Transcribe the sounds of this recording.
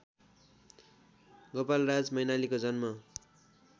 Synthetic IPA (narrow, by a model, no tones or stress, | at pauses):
ɡʌpalrad͡zmʌjnalikod͡zʌnmʌ